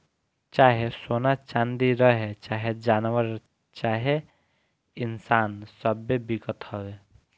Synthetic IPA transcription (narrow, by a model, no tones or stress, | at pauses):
t͡ʃaːɦesoːnat͡ʃand̪iɾəɦet͡ʃaːɦed͡ʒaːnʋəɾ | t͡ʃaːɦe | ɪnsaːnsəbebiɡət̪həwe